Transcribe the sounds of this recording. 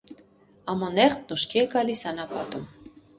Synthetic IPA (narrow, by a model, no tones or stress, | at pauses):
ɑmɔnɛχt̪̚nuʃkʰiɛɡɑlisɑnɑpɑt̪um